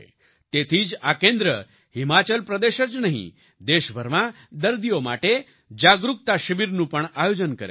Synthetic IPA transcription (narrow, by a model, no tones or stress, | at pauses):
t̪et̪ʰiːt͡sakẽnd̪ɾə | himat͡ɕəlpɾəd̪eɕət͡snaɦḭ | d̪eɕbʱəɾma | d̪əɾd̪ijomaʈe | d͡ʑaɡɾuk̚t̪aɕəʋiɾnũːpəɳajod͡ʑənkəɾḛ